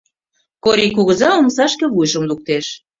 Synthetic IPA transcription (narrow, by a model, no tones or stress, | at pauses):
koɾʲikuɣə̆zɑomsɑʃkĕβujʒə̆mluk̚t̪eʃ